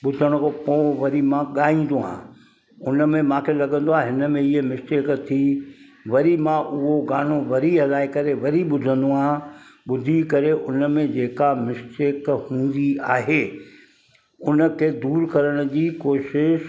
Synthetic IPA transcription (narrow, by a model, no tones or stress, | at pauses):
ɓʊd̪ʱəɽ̃kopoːʋɐɾimãɠaːĩːn̆d̪oɦã̰ː | ʊnəmẽmãːkʰelɐɠə̃nd̪oaːɦɪnəmẽɪɦemɪsʈeːkt̪ʰiʋɐɾimãʔʊɦoɡaːn̤oʋɐɾiɦɐlaːikɐɾeʋɐɾiɓʊd̪ʱə̃nd̪oãːɓʊd̪ʱikɐɾeʔʊnəmẽd͡ʑeːkamɪsʈeːkhũːn̆d̪iaːɦeː | ʊnə̆kʰeːd̪uːɾkɐɾəɽ̃ʊd͡ʑiːkoːʃɪʃ